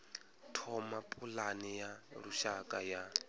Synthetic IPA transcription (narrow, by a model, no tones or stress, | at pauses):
tʰɔmapʼulanijaɺuʃakʼaja